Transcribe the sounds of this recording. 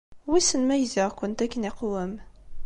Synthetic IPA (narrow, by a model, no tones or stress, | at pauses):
wisənmæjziʁkʷʊnt̪ækːəniqwəm